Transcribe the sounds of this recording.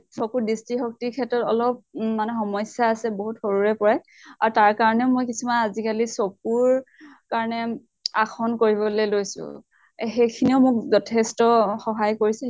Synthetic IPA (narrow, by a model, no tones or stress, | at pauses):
sokuɹdistɹixɔk̚tikʰɛtɹɔtɔ̰lɔp̚manɛxɔmɔjsjaːsɛboɦutxoɹuɹɛpɔɹɛ | aɹutaɹkaɹɔnɛʊmojk̬isumanazikalisok̚uɹ | kaɹɔnɛ | axʰɔnkoɹibɔlejlojsʊ̰̃ | xejkʰiniʊmʊk̚zɔtʰɛstɔxɔɦajkoɹisɛ